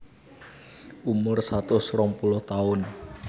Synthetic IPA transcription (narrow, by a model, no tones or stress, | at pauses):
ʔumʊrsat̪ʊsrɔŋpulʊht̪aʊn